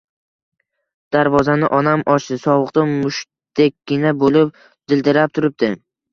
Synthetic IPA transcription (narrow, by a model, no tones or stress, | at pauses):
d̪̥aɾvɒzanɪʔɒnamʔɒt͡ʃd̪ɪsɒvɨqt̪amʊʃ | t̪ekʲːɪnabolɪp̚ | d̪̥ɪld̪ɪɾap̚t̪ʰʊɾɪp̚d̪ɪ